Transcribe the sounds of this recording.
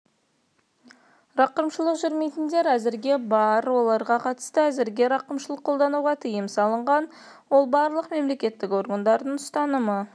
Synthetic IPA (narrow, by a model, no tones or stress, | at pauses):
rɑqəɾmʃəlˠəqʒʏɾme̞jt̪ɪnd̪e̞ɾæzɪɾɡʲe̞bɑɾwo̞lˠɑɾʁɑqʰɑt̪ə̥st̪əæzɪɾɡʲe̞ɾɑqəmʃəlˠəqʰːo̞lˠd̪ɑnuʁɑt̪ʰɪjəmsɑlˠəɴʁɑn | wo̞lˠbɑɾlˠəqme̞mle̞kʲe̞t̪ːɪkʲo̞ɾɡənd̪ɑɾd̪əɴʊst̪ɑnəmə